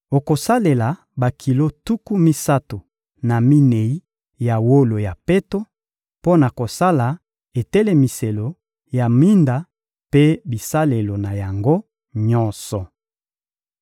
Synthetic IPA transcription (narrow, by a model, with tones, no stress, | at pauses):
o˨ko˨sa˦le˨la˨ | ba˨kʰi˨lo˦tu˦ku˦mi˦sa˦to˨ | na˨mi˦ne˨i˦ | ja˨wo˦lo˨ja˨pe˦to˦ | po˦na˨ko˨sa˦la˨ | e˨tɛ˦le˦mi˨se˨lo˨ | ja˨mi˦nda˨ | pe˦bi˨sa˦le˨lo˨na˨ja˨ŋɡo˦ | ɲɔ˦nsɔ˨